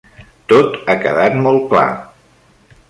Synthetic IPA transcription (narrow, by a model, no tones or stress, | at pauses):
t̪ot̪akəðat̪mɔl̚ˠkla̰